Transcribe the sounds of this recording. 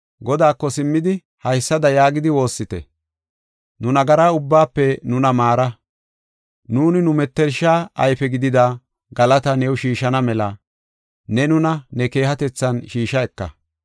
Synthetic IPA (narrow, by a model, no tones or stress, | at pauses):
ɡɔd̪aːkːɔsɪmːɪd̪ɪ | hɐjsːɐd̪ɐjaːɡɪd̪ɪwo̞ːsːɪt̪ɛ̰ | nʊnɐɡɐɾaːʊbːaːpːɛnʊnɐmaːɾɐ | nuːnɪnʊmɛt̪ːɛɾʃːaːɐ̰jfɛɡɪd̪ɪd̪a | ɡɐlɐt̪ɐnɛwʃiːʃɐnɐmɛlɐ | nɛnʊnɐnɛke̞ːɦɐt̪ɛt͡sːɐnʃiːʃɐɛkːɐ̰